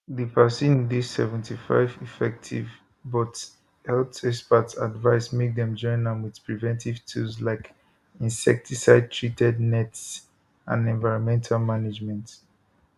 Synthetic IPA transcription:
ðipʰasĩdisɛvɛ̃ntʰifa̰ɪvifɛk̚tʰḭv | bɔt | hɛltɛspətsa̰dvaɪsmek̚dɛ̃md͡ʒɔ̃ɪ̃nãmwið̥pɹivɛ̃ntʰiv̥tʰuslaɪk | ĩnsɛ̰k̚tʰisaɪd̚tʰɹitɛdnɛts | ã̰nɛ̃nvaɪɹɔ̃nmɛ̃ntʰalmaned͡ʒmɛ̃nt

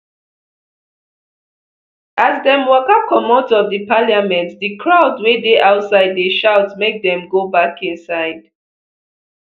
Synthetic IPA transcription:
ʔazdɛ̃mwɔkakɔmɔ̃ntɔvdipaliamɛ̃ntdikʰɹaʊdwedeʔaʊtsaɪdːeʃaʊtmek̚dɛ̃mɡobakĩnsaɪd̥

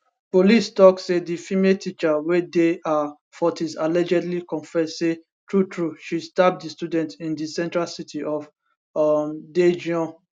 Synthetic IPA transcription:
polistɔksedifimetʰit͡ʃawedea | fɔtizalɛd͡ʒɛdlikɔ̃nfɛsse | tɹutʰɹuʃistap̚distjudɛ̃ntĩndisɛ̃ntɹalsitʰiʔɔf | mded͡ʒiɔ̃

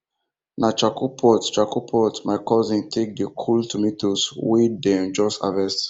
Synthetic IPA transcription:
nat͡ʃakupʰɔtt͡ʃakupʰɔtmaɪkɔzĩntʰek̚dekʰultʰumitoswidɛ̃nd͡ʒɔsta̰vɛst

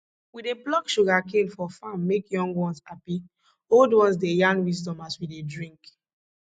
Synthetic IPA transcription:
wideplɔkʃuɡakelfɔfãmːekjɔ̃ŋɡwɔ̃nshapi | oldwɔ̃nsdejãŋɡwisdɔ̃maswidedɹĩŋk

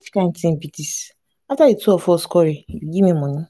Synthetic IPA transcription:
fi̥kan̩tim̩pitis | ataituɔfɔskɔɾiiɡimemɔnʊ

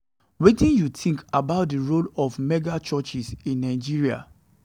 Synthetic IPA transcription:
wetĩnjutʰĩŋkabaʊt̚diɹolɔfmɛɡat͡ʃɔt͡ʃisĩnːaɪd͡ʒiɹia̰

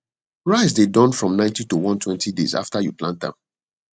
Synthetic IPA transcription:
ɹaɪzdedɔ̃nfɹɔ̃mnãɪ̃ntitowɔ̃ntʰwɛ̃ntʰidḛza̰ftajuplãntã̰

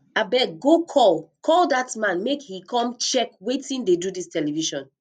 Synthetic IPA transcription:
abɛk̚ɡokʰɔlkʰɔldatmãnmekhikɔ̃mt͡ʃɛkwetĩndedudistʰɛliviʃɔ̃n

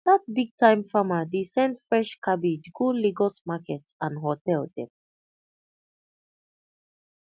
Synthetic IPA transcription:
datbiɡ̚tʰãɪ̃mfamadesɛ̃ndfɹɛʃkʰabid͡ʒɡoliɡɔsmakɛtsãnɦɔtɛldɛ̰̃m

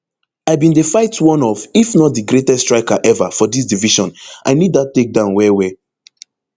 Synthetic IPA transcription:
aɪbĩndefaɪtwɔ̃nɔfifnɔt̚dɨɡɹetɛstɹaɪkaʔɛvafɔdis̬diviʃɔ̃nʔa̰ɪnidðat̚tːek̚dãʊ̃nwɛwɛ

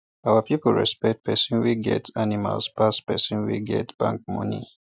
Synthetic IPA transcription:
awapipəlɹɛ̰spɛk̚t̚pʰɛsĩnwiɡɛtʰanima̰lspaspɛsĩnwḭɡɛ̰tb̥ãŋk̚mɔ̃ni

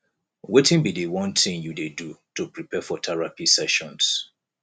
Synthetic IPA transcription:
wetɪ̃nbidewɔ̃nt̪ʰɪ̃ŋjudedutʰupɹipʰɛfɔtʰɛɹapisɛʃɔ̃ns

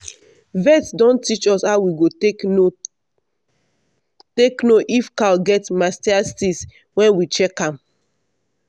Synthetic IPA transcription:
vɛtdɔ̃ntit͡ʃɔsawiɡo | teknoʔifkalɡɛtmastiastis | wɛ̃nwit͡ʃɛkãm

